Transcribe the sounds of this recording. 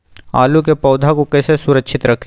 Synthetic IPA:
a̰ːlukepɐːd̪ʱakokɛsesʊɾəkʃʰɪt̪ɾɐkʰ

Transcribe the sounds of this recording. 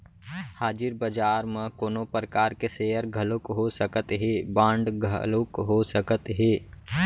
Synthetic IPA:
haːd͡ʒɪɾbəd͡ʒaːɾmə̃koːnopɾəkaːɾkeseːɦəɾɡʱəlʊkɦosəkət̪ɦeːbãːɳɖɡʱə̰lokɦosəkət̪ɦeː

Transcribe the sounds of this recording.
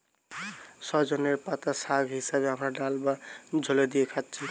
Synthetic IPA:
sʌd͡ʒoneɾpat̪asaɡʱɦisabeɦamɾaɖalbad͡ʒʱoled̪iekʰat̚t͡ʃʰi

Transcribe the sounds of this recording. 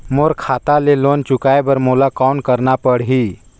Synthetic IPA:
moɾkʰaːt̪aleloːnt͡ʃʊkaebəɾmolakawnkəɾnapəɽɦi

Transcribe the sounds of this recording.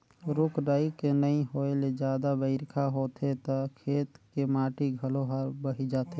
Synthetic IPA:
ɾʊkʰɖaːikenəĩɦoːeled͡ʒjaːd̪abəɪɾkʰaɦoːt̪ɦet̪akʰeːt̪kemaːʈiɡʱəloɦaɾbəɦid͡ʒaːt̪ɦe

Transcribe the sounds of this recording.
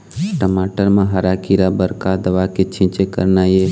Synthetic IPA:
ʈəmaːʈəɾmãɦəɾaːkiɾabəɾkad̪əʋaket͡ʃʰĩt͡ʃekə̰ɾnaje

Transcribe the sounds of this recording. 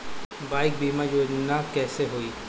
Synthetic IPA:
baːɪk̚biːmad͡ʒoːd͡ʒnakɛːseɦoːiː

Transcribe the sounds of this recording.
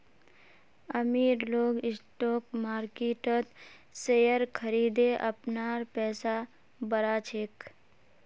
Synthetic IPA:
əmiːɾloːɡɪsʈoːkmaːɾkeʈət̪ | sejəɾkʰəɾiːd̪eʔə̰pnaːɾpɛːsa | bəɾat͡ʃʰeːk

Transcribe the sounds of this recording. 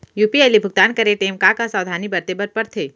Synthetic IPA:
juːpiajlibʱʊɡ̚t̪aːnkəɾeʈeːmkakasaːwd̪ʱaːnibɐɾt̪ebəɾpɐɾt̪ʰeː

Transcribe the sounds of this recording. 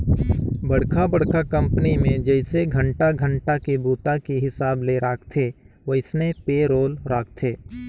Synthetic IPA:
bɐɽkʰabɐɽkʰakɐ̃mpənimẽd͡ʒɛɪseɡʱɐ̃ɳʈaɡʱə̃ɳʈakebuːt̪akiɦɪsaːbleɾaːkʰt̪ʰe | ʋɐɪsnepeːɾoːlɾaːk̚ʰt̪ʰeː

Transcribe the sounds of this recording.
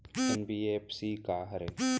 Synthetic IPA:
ɛnbiːeːpsiːkaːɦɐɾe

